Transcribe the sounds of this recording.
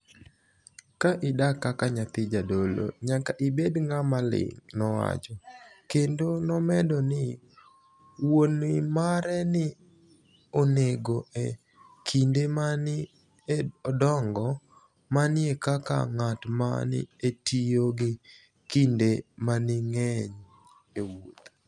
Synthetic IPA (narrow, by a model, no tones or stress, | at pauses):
kaʔɪdakakaɲat̪ɪd͡ʒadolo̰ɲakaʔɪbedŋamalɪ̰ŋnɔwa̰t͡ʃɔkendonɔmɛdɔnɪ | wonɪmaɾɛnɪ | oneɡoe | kʰindemanɪ | ɔdɔŋɡɔ | manɪekaka̰ŋatma̰nɪ̰etioɡɪ | kindemanɪŋɛɲ | ewut̪